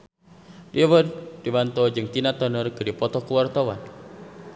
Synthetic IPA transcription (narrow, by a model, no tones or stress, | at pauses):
diawəddibant̪ɔd͡ʒɨŋt̪inat̪ɔnərkɨdipɔt̪ɔkuwart̪awan